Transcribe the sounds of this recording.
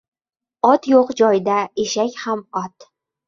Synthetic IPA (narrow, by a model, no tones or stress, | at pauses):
ɒt̪joqd͡ʒɒjd̪aeʃakʲhamɒt̪